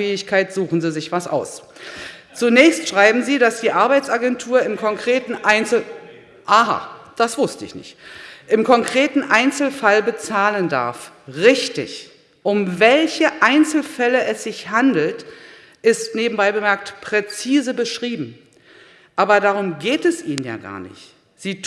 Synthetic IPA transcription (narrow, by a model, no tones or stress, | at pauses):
ɛːɪçkʰaɪtz̥uːχn̩ziːzɪçv̥asʔa̰ʊs | t͡sunɛːçstʃʁ̥aɪbm̩ziːdasd̥iːʔaɐbaɪt͡saɡɛntʰuːɐɪmkʰɔŋkʁ̥eːtn̩ʔaɪnt͡sl̩ | ʔaɦa̰d̥asv̥ʊstəɪ̰çnɪ̰çtʔɪmkʰɔŋkʁ̥eːtn̩ʔaɪnt͡sl̩falbət͡saːlənda̰ɐfʁɪçtɪ̰ç | ʔʊmvɛlçəʔaɪnt͡sl̩fɛləɛsz̥ɪçhandl̩t | ʔɪstneːbm̩baɪbəmɛɐk̚tpʁ̥ɛt͡siːzəbəʃʁ̥iːbm̩ | ʔaːbɐdaːʁ̞ʊmɡeːtɛsʔiːnənja̰ːɡa̰ːɐnɪ̰çt | z̥iːt